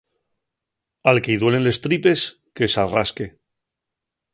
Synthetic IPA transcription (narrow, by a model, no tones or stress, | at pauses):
alke̞iðwe̞le̞nle̞st̪ɾipe̞s | kesaraske̞